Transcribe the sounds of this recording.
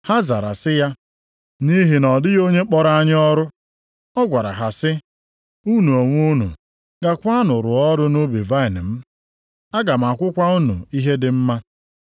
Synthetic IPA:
ha˦za˨ɾa˨sɪ˦ja˦ | ni˦ɦi˨nɔ˨dɪ˦ɣo˦ɲe˦k͡pɔ˦ɾa˦a˦ɲɪ˦ɔ˦ɾʊ˦ | ɔ˦ɡʷa˨ɾa̰˨ɦa˨sɪ˦ | u˦nu˨o˨ŋʷ˦u˦nṵ˨ | ɡa˦kʷa˦nʊ˨ɾʊ˨ɔ˦ɾʊ˦no˦bi˨va˦ɪ˨nɪ˨m̩˦ | a˦ɡa˨m̩˨a˨kʷʊ˦kʷa˦u˦nṵ˨i˦ɦe˦dɪ˨m̩˦ma˦

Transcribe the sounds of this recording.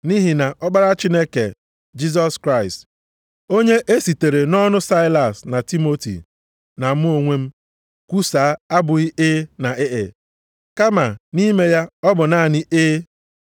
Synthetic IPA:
ni˦ɦi˨na˨ʔɔ˦ɡ͡ba˦ɾa˦t͡ʃi˦ne˦kḛ˨ | d͡ʒi˦z̬ɔ˦skɾa˦ɪ˨st | o˦ɲe˦ʔe˦si˨te˨ɾe˨nɔ˦nʊ˦sa˦ɪ˦la˨sna˨ti˦mo˦tḭ˨ | na˨m̩˦o˨ŋʷe˦m̩˦ | kʷu˦saː˨˦a˦bʊ˨ɣi˦ɪ˦na˨ɪ˦ʔɪ̰˨ | ka˦ma˨ni˦me˦ja˦ɔ˦bʊ˨na˦˨nɪ˦ʔɪː˦

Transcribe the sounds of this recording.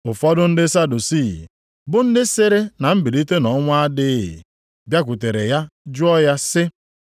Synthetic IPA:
ʊ˨fɔ˦dʊ˦n̩˦dɪ˦sa˦du˨si˦˨ | bʊ˦n̩˦dɪ˦sɪ˦ɾɪ˦na˨m̩˦bi˨ɾi˦te˦nɔ˨˦ŋʷʊ˦a˦dɪ̰˦˨ | bja˦k̬ʷu˨te˨ɾe˨ja˦d͡ʒʊ˦ɔ˦ja˦sɪ˦

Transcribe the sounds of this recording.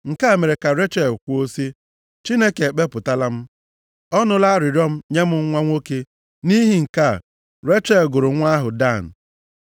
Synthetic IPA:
ŋ̩˨ka˦˨me˨ɾe˨ka˨ɾe˦t͡ʃe˨lkʷo˦si˦ | t͡ʃi˦ne˦ke˨e˨k͡pe˦pʊ˨ta˦la˦m̩˦ | ɔ˦nʊ˦la˦ɾɪ˨ɾɔ˦m̩˦ɲe˦mʊ˦ŋ̩˦ŋʷa˦ŋʷo˦ke˦ | ni˦ɦi˨ŋ̩˨ka˦˨ | ɾe˦t͡ʃe˦lɡʊ˨ɾʊ˨ŋʷa˦ɦʊ˨da˦˨n̩˨

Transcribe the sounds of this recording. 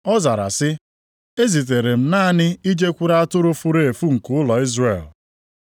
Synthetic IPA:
ɔ˦za˨ɾa̰˨sɪ˦ | e˦zi˨t̬e˨ɾe˨m̩˦naː˦nɪ˦i˦d͡ʒe˦kʷu˦ɾa˦a˦tʊ˦ɾʊ˦fu˦ɾe˦˨e˨fu˦ŋ̩˨kʊ˦ʊ˦lɔ˨i˦zre˨l

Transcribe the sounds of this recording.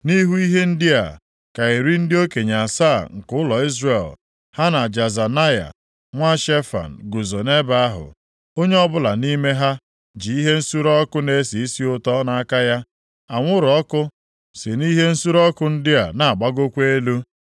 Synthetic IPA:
ni˦ɦu˦i˦ɦe˦n̩˦dɪ˦a̰˨ | ka˨i˨ɾi˦n̩˦dɪ˦o˦ke˨ɲa˨saː˦˨ŋ̩˨kʊ˦ʊ˦lɔ˨i˦zre˨l | ha˦na˨d͡ʒa˨za˨na˦ja̰˨ | ŋʷa˦ʃe˦fa̰˨n̩˨ɡu˨zo˨ne˦ba˦a˦ɦʊ̰˨ | o˦ɲe˦ɔ˦bʊ˦la˨ni˦me˦ɦa˦ | d͡ʒi˨i˦ɦe˦n̩˦su˦ɾɔ˦kʊ˦ne˦si˨i˦si˦ʊ˦tɔ˦na˦ka˦ja˦ | a˨ŋʷʊ˦ɾɔ˦kʊ˦ | sɪ˨ni˦ɦe˦n̩˦su˦ɾɔ˦kʊ˦n̩˦dɪ˦a̰˨na˨a˨ɡ͡ba˦ɡo˦kʷe˦lu˦

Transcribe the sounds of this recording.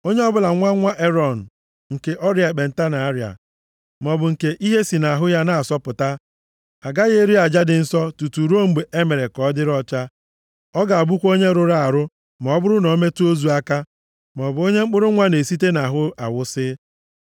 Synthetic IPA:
o˦ɲe˦ɔ˦bʊ˦la˨ŋʷa˦ŋʷa˦ʔe˦ɾɔ˨n̩˨ | ŋ̩˨ke˨ʔɔ˦ɾja˨k͡pe˨n̩˨ta˦na˨a˦ɾja̰˨ | m˨ɔ˨bʊ˨ŋ̩˨ke˨ʔi˦ɦe˦si˨na˨a˨ɦʊ˦ja˦na˦a˨sɔ˦pʊ˨ta˦ | a˨ɡa˦ɣe˦ɾi˦a˨d͡ʒa˦dɪ˨n̩˦sɔ˦tu˨tu˨ɾo˦m̩˨ɡ͡be˨ʔe˦me˨ɾe˨kɔ˨˦dɪ˦ɾɔ˦t͡ʃa˦ | ɔ˦ɡa˨bʊ˦kʷo˦ɲe˦ɾʊ˦ɾa˦˨a˨ɾʊ˦ | mɔ˨ɔ˦bʊ˦ɾʊ˦no˨˦me˦tu˦o˦zu˨a˦ka˦ | mɔ˨bʊ˨o˦ɲe˦ŋ͡m̩˦k͡pʊ˦ɾʊ˦ŋʷa˦ne˨si˦t̬e˦na˨ɦʊ˦a̰˨wʊ˦sɪ˦

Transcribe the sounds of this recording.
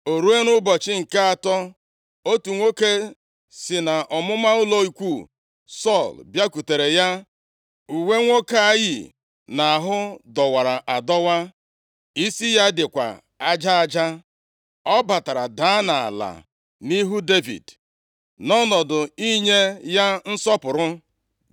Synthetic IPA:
o˨ɾu˦e˦nʊ˦bɔ˨t͡ʃɪ˦ŋ̩˨ka˦a˨tɔ˦ | o˦tu˨ŋʷo˦ke˦ | sɪ˨na˨ʔɔ˨mʊ˦ma˦ʊ˦lo˦i˨kʷu˦˨ | sɔ˦˨lbja˦ku˨te˨ɾe˨ja˦ | u˨we˦ŋʷo˦ka˦a˦jḭ˨ | na˨a˨ɦʊ˦dɔ˨wa˨ɾa˨ʔa˨dɔ˦wa˦ | i˦si˦ja˦dɪ˨kʷa̰˨ | a˦d͡ʒa˦a˨d͡ʒa˦ | ɔ˦ba˨ta˨ɾa˨da˦na˨a̰˨la̰˨ | ni˦ɦu˦de˦vḭ˨d | nɔ˦nɔ˨dʊ˨i˦ɲe˦ja˦n̩˦sɔ˦pʊ˨ɾʊ˦

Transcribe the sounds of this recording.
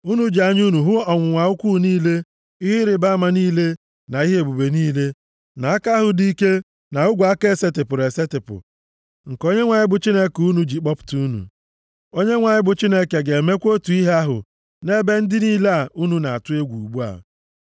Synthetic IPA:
u˦nu˦d͡ʒi˨a˨ɲ˦u˦nu˨ɦʊ˦ɔ˨ŋʷʊ˨ŋʷa˨ʊ˦kʷu˦˨niː˦le˦ | i˦ɦɪ˦ɾɪ˨ba˦ma˨niː˦le˦ | na˨i˦ɦe˦e˨bu˨be˨niː˦le˦ | na˨a˦ka˦ɦʊ˨di˦ke˦ | na˨ʊ˦ɡʷa˦ke˦˨se˦tɪ˨pʊ˨ɾe˨se˦tɪ˨pʊ̰˨ | ŋ̩˨ko˦ɲe˦ŋʷa˨ɲɪ˦bʊ˨t͡ʃi˦ne˦ku˦nu˨d͡ʒi˨k͡pɔ˦pʊ̥˨tu˦nṵ˨ | o˦ɲe˦ŋʷa˨ɲɪ˦bʊ˨t͡ʃi˦ne˦ke˨ɡe˨me˦kʷo˦tu˨i˦ɦe˦a˦ɦʊ̰˨ | ne˦be˦n̩˦dɪ˦niː˦la˨u˦nu˨na˨a˨tʊ˦e˦ɡʷu˨u˨ɡ͡bu˦a̰˨

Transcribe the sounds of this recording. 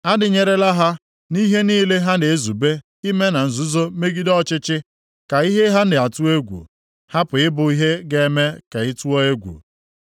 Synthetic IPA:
a˦dɪ˨ɲe˨ɾe˦la˦ɦa˦ | ni˦ɦe˦niː˦le˦ɦa˦ne˨e˦zu˨be˦ | i˦me˦na˨n̩˨zu˦zo˦me˦ɡi˦dɔ˦t͡ʃɪ˦t͡ʃɪ˦ | ka˨i˦ɦe˦ɦa˦n̩˦dɪ˨a˨tu˦e˦ɡʷṵ˨ | ha˦pʊ˨ɪ˦bʊ˨i˦ɦe˦ɡe˦me˦ka˨ɪ˦tu˦ɔ˦e˦ɡʷṵ˨

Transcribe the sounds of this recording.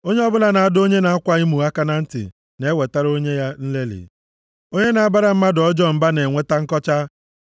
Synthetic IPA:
o˦ɲe˦ɔ˦bʊ˦la˦na˨a˦do˦ɲe˦na˨a˦kʷa˦i˦mu˨a˦ka˦na˦n̩˦tɪ̰˨ | ne˦we˨ta˦ɾo˦ɲe˦ja˦n̩˦le˦lɪ̰˨ | o˦ɲe˦na˨a˦ba˦ɾa˦m̩˦ma˦dɔ˦d͡ʒɔ˦m̩˨ba˦ne˨ŋʷe˦ta˦ŋ̩˦kɔ˦t͡ʃa˦

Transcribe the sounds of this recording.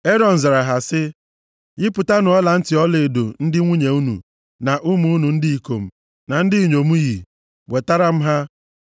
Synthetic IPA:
e˦ɾɔ˨n̩˨za˨ɾa˨ɦa˨sɪ˦ | jɪ˦pʊ˨ta˦nʊ˨ɔ˦la˨n̩˦tɪ˨ɔ˦le˨do˨n̩˦dɪ˦ŋʷu˦ɲe˨u˦nṵ˨ | na˨ʔʊ˦mu˨˦u˦nu˨n̩˦dɪ˦i˨ko̰˨m̩˨ | na˨n̩˦dɪ˦i˨ɲo˨mu˦ɣi˨ | we˨ta˦ɾa˦m̩˦ɦa˦

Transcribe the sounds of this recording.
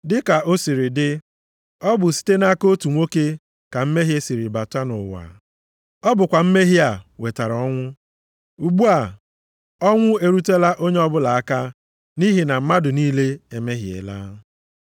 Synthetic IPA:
dɪ˦ka˨o˦si˨ɾi˨dɪ˦ | ɔ˦bʊ˨si̥˦te˦na˦ko˦tu˨ŋʷo˦ke˦ | ka˨m̩˦me˦ɦje˦si˨ɾi˨ba˨ta˦nʊ̰˨wa̰˨ | ɔ˦bʊ˨kʷa˨m̩˦me˦ɦi˦a˨we˨ta˨ɾɔ˦ŋʷʊ˦ | u˨ɡ͡bu˦a˨ | ɔ˦ŋʷʊ˦e˨ɾu˦te˦la˦ʔo˦ɲe˦ɔ˦bʊ˦la˨a˦ka˦ | ni˦ɦi˨na˨m̩˦ma˦dʊ˨niː˦le˦e˨me˦ɦjḛ˨la̰ː˦

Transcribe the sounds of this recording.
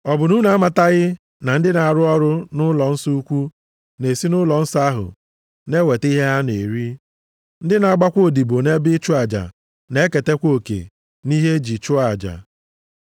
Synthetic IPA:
ɔ˨bʊ˨nu˦na˨˦a˦ma˨ta˦ɣɪ˦ | na˨n̩˦dɪ˦na˨ɾʊ˦ɔ˦ɾʊ˦nʊ˦lɔ˨n̩˦su˦u˦kʷu˦ | ne˨si˦nʊ˦lɔ˨n̩˦sa˦ɦʊ̰˨ | ne˦we˨ti˦ɦe˦a˦ne˨ɾi˦ | n̩˦dɪ˦na˨a˨ɡ͡ba˦kʷo˦˨di˨bo˨ne˦bɪ˦t͡ʃʊ˦a˨d͡ʒa̰˨ | ne˦ke˨te˦kʷo˦˨kḛ˨ | ni˦ɦe˦d͡ʒi˨t͡ʃʊ˦a˨d͡ʒa̰˨

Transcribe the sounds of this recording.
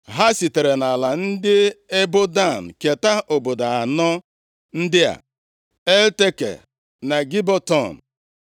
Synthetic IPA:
ɦa˦si˨te˨ɾe˨na˨la˨n̩˦dɪ˦e˦bʊ˦da˦˨n̩˨ke˨ta˦o˨bo˨da˨a˨nɔ˦ | n̩˦dɪ˦a̰˨ | e˦lte˦kḛ˨ | na˨ɡi˦bɔ˦tɔ˦˨n̩˨

